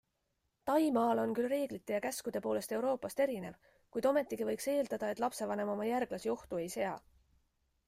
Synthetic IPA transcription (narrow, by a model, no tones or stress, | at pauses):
t̪ɑjmɑːlo̞nkylre̞ːɡ̥lit̪ːˑe̞jɑkæskud̪̥e̞po̞ːle̞st̪e̞wɾo̞ːpːˑɑst̪e̞ɾine̞v | kujd̪̥o̞me̞t̪ːˑikivɤ̞jkse̞ːld̪ɑd̪̥ɑe̞t̪ˑlɑpse̞vɑne̞mo̞mɑjærɡ̥lɑsio̞ht̪ue̞jse̞ɑ